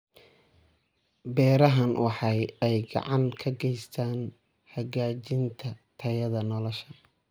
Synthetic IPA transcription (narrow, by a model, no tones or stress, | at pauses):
bɛːɾɐɦɐnwɑħɑjɛjɡɑ̰ʕɑŋkʰɐɡɛjst̪ʰaːn | hɐɣaːt͡ʃɪnt̪ʰɐt̪ʰɐjɐðɐnɔlɔʃɐ